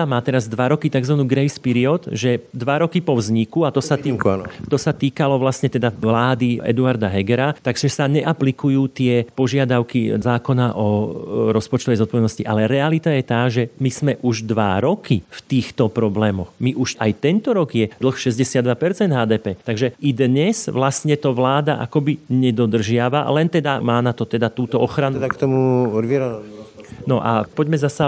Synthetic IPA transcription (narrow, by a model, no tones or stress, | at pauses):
amaːt̪ɛɾazd̪ʋaɾɔkit̪aɡzʋanuːɡɾɛjspiɾiɔt̪ʒɛd̪ʋaɾɔkipɔvzɲikuat̪ɔsat̪it̪ɔsat̪iːkalɔʋlasɲɛt̪ɛd̪aʋlaːd̪iɛ̰d̪uaɾd̪aɦɛɡɛɾat̪aɡʒɛsaɲɛʔaplikujuːt̪ɪɛpɔʒɪad̪aʊkizaːkɔnaʔɔɾɔspɔt͡ʃt̪ɔʋɛjzɔt̪̚pɔʋɛd̪nɔsciʔalɛɾɛalit̪ajɛt̪aːʒɛmiz̥mɛʔuʒd̪ʋaɾɔkift̪iːxt̪ɔpɾɔblɛːmɔxmiʔuʃajt̪ɛnt̪ɔɾɔɡjɛd̪l̩xʃɛzɟɛsɪad̪ʋapɛɾt͡sɛnd̪ɦaːd̪ɛːpɛːt̪aɡʒɛid̪ɲɛzʋlast̪ɲɛt̪ɔʋlaːd̪a̰ʔa̰kɔbiɲɛd̪ɔd̪r̩ʒɪaʋa̰lɛnt̪ɛd̪amaːnat̪ɔt̪ɛd̪at̪uːt̪ɔɔxɾand̪akt̪ɔmuʋiɾɔ | nɔʔa̰pɔɟmɛzasa